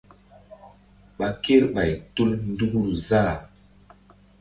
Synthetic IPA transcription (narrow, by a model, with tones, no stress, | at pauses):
ɓa˨ke˦ɾɓa˨jtu˦ln̩˦du˦ɡu˦˨lzaː˦˨